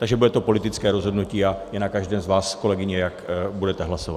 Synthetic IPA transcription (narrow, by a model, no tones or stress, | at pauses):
t̪aɡʒɛbudɛt̪o̞po̞lɪt̪ɪt͡skɛːɾo̞zɦo̞dnuciːajɛnakaʒdɛːmzvaːsko̞lɛɡɪɲɛjakbudɛt̪ɛɦlasova̰